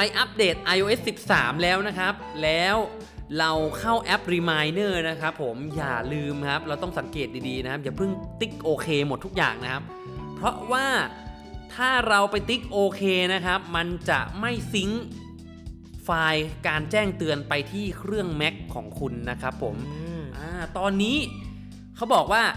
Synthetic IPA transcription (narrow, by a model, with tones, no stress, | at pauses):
pa˧jʔa˦˥p̚deː˨˩t̪̚ʔa˧jʔoː˧ʔe˦˥sːi˨˩p̚sa̰ː˩˦mlɛː˦˥wna˦˥kʰa˦˥p̚lɛː˦˥w | ɾa˧wkʰa˥˩wʔɛ˦˥p̚ɾiː˧maː˧jnɤː˥˩na˦˥kʰa˦˥pʰːo˩˦mjaː˨˩lɯː˧mkʰa˦˥p̚ɾa˧wt̪ɔ˥˩ŋsa˩˦ŋkeː˨˩t̪̚diː˧diː˧na˦kʰa˦˥p̚jaː˨˩pʰɯ˥˩ŋt̪i˦˥k̚ʔoː˧kʰeː˧mo˨˩t̪ʰːu˦˥k̚ja̰ː˨˩ŋna˦˥kʰa˦˥p̚ʰ | ɾɔ˦˥waː˥˩ | t̪ʰaː˥˩ɾa˧wpa˧jt̪i˦˥k̚ʔoː˧kʰeː˧na˦˥kʰa˦˥p̚ma˧nt͡ɕa̰˨˩ʔma˥˩jsi˦˥ŋ | faː˧jkaː˧nt͡ɕɛː˥˩ŋt̪ɯ˧ənpa˧jt̪ʰiː˥˩kʰɾɯ˥˩əŋmɛ˦˥kʰːɔː˩˦ŋkʰu˧nːa˦˥kʰɾa˦˥pʰːo˩˦mʔaː˧˩t̪ɔː˧nːiː˦˥ | kʰa˦˥wbɔː˨˩k̚waː˥˩